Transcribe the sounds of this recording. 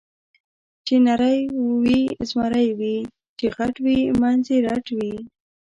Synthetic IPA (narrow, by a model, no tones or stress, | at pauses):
t͡ʃenaɾəjwizmaɾəjwi | t͡ʃeɣaʈwimanzeɾaʈwi